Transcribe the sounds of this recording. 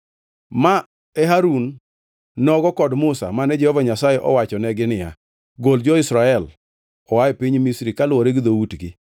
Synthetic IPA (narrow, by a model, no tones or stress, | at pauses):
ma | ɛɦaɾunː | ɔɡɔkɔdmʊsa̰manɛd͡ʒɛhɔvaɲasajɛʔɔ̰wat͡ʃɔnɛɡɪnɪja̰ | ɡold͡ʒɔɪsɾaɛl | ɔwaɛpiɲmisɾikalwɔɾeɡɪd̪owutɡi